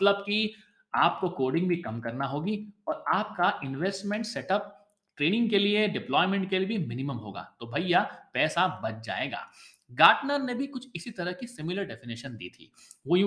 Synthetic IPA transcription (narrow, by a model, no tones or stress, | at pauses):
t̪ləbki | aːp̚kokoːɾɖɪ̃ŋɡbʱikɐmkɐɾnaɦoːɡiɔːɾaːp̚kaʔɪnʋeːsʈmɛ̃ɳʈsɛʈəp̚ | ʈɾeːnɪ̃ŋɡkelieɖɪplɔːɪmɛ̃ɳʈ̚kelibʱimɪnɪməmɦo̰ːɡa̰ːt̪obʱɐijapɛːsabɐt͡ʃd͡ʒa̰ːeːɡa̰ː | ɡaːʈnəɾnebʱikʊt͡ʃʰɪsit̪ɐɾəɦkisɪmɪləɾɖɛfɪnɪʃənd̪ḭːt̪ʰḭː | ʋojũ